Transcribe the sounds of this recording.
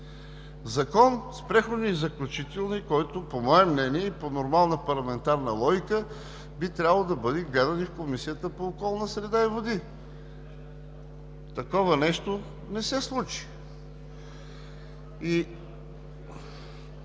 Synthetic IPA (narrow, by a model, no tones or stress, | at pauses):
zɐkɔnspɾɛxod̪niːzɐklʲut͡ʃit̪ɛlˠnikɔjt̪ʊpomɔɛmnɛniɛiponoɾmalˠnəpɐɾlˠɐmɛnt̪aɾnəlˠɔɡʲikə | bit̪ɾʲabəlˠod̪ɐbɤd̪ɛɡlɛd̪ɐnifkomisijət̪əpoːkɔlˠnəsɾɛd̪aivod̪i | t̪ɐkɔvɐnɛʃt̪o | nɛsɛslˠut͡ʃi̥ | i